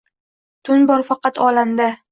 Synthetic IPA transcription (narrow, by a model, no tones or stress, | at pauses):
t̪ʰʊnbɒɾfɑqɑt̪ʰɒland̪a